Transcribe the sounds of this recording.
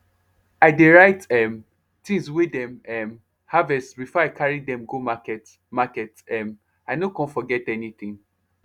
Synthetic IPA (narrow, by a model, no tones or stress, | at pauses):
aɪdeɹaɪtɛm | tĩŋswidɛ̃mɛm | havɛssbifɔaɪkʰaɹidɛ̃mɡomakɛt | makɛtɛ̃m | aɪnokɔ̃nfɔɡɛtɛnit̪ĩŋ